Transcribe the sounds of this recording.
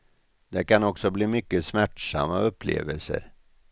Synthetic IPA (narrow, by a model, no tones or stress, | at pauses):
d̪ɛkanɔksɔbliːmʏkːəsmæʈʂa̰mːaɵpʰːlḛːvəlsə̰ɾ